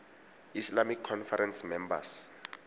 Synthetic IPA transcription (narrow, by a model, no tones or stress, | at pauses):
islamikʰːɔnfaɾɛnsmɛmba̰s